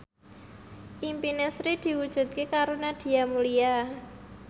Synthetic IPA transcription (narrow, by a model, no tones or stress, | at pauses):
ʔimpinesɾid̪̥i̤wud̥ʒ̥ṳt̪̚kekaɾonad̪̥i̤amulia